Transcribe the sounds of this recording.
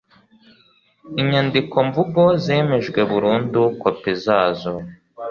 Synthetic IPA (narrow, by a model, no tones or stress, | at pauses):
iɲandikʰo̞ɱvuɡozeːme̞ʒɡwe̞βuɾuːndukwapezaːzo